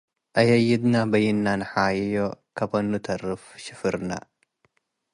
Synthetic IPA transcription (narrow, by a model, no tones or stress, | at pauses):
ʔɐjɐjɪd̪nabɐjɪnːanħajjokʰɐbonːut̪ʰɐrɨfʃɪfɨɾna̰